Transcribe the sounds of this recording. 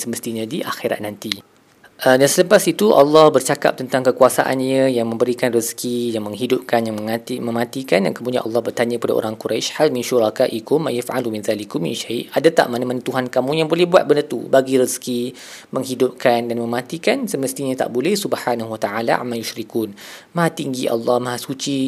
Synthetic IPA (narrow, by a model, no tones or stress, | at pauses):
səməst̪iɲə̃diʔa̰xiɾa̰t̪̚nant̪i | ʔədansələpasit̪uʔɑ̰lːɑhbərt͡ʃaka̰p̚t̪ənt̪aŋkəkuasa̰ʔa̰nɲãjaŋmə̃mbəɾikanriskijaŋmə̃ŋɦidʊp̚kanjaŋmə̃ŋat̪imə̃mãt̪ikanda̰nkəmudiã̰ʔɑ̰lːɑhbərt̪aɲãkəpada̰ʔo̰ɾaŋkuɾajʃhalminʃuɾakaʔikʊma̰jifa̰lumĩnðalikumḭ̃nʃaiʔadat̪a̰ʔmanamãnãt̪uɦankamũjaŋbolɛhbua̰t̪̚bənət̪ubaɡiɾəski | mə̃ŋɦidup̚kandanmə̃mãt̪ikansəməst̪iɲãt̪a̰ʔbolɛhsubhanaɦuwat̪aʕalaʔa̰mːajuʃɾikunmaɦat̪iŋɡiʔɑ̰lːɑhmãɦasut͡ʃi